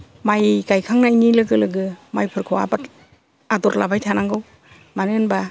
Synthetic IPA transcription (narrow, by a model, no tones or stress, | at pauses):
majɡajkʰaŋnajnilɯɡɯlɯɡɯmajpʰɯɾkʰɯwa̰bat | adɔɾlʔa̰bajtʰanaŋɡɯw | manɯnba